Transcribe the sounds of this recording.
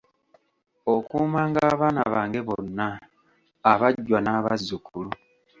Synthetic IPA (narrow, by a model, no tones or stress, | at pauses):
okuːmaːŋɡaːβaːna̰βaːŋɡe̞βo̞nːaː | βaɟːwanaːβa̰zːukulu